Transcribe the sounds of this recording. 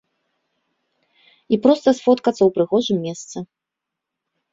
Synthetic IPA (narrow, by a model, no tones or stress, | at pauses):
ipɾɔst̪ɐsfɔt̪kɐt̪sːɐwpɾɨɣɔʐɨmːʲɛst̪sɨ